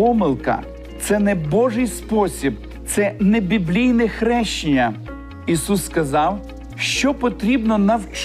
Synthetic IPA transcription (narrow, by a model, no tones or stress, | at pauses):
ɔmɪlˠkɐ̰ | t̪sɛnɛbɔʒɪjspɔsʲib | t̪sɛnɛbʲiblʲijnɛxɾɛʃt͡ʃɪnʲɐ | isusːkɐzɑw | ʃt͡ʃɔpɔt̪ɾʲibnɔnɐwt͡ʃ